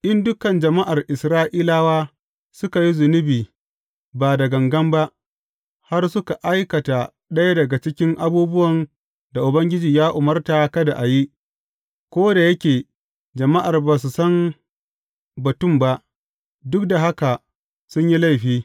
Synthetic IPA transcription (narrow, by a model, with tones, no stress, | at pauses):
ʔɪ˦ndʊ˦kɐ˨nd͡ʒɐ˨ma˦ʔa˨rʔɪ˨sɾaː˦ʔiː˦laː˦waː˦ | sʊ˦ka˨ji˦zʊ˨nʊ˦biː˨ | baː˨dɐ˨ɡɐ˨ŋɡɐ˦mba˦ʔ | ha˦rsʊ˦ka˨ʔa˦jkɐ˨ta˨ | ɗɐ˦ja˦dɐ˨ɡa˨t͡ʃɪ˦kʲɪ˦ŋʔa˦buː˦bʊ˦wɐ˨n | da˨ʔʊ˨bɐ˦ŋɡʲɪ˦d͡ʒiː˨jaː˦ʔʊ˨mɐ˦rta˨kɐ˦da˨ʔa˨ji˦ | kʷoː˦da˨jɐ˦kʲeː˨ | d͡ʒɐ˨ma˦ʔa˨rbaː˨s̬u˨sɐ˦m | bɐ˨tʊ˦˨mba˦ʔ | dʊ˦k̚da˨ɦa˦ka˨ | sʊ˦ɲji˦la˦jɸiː˦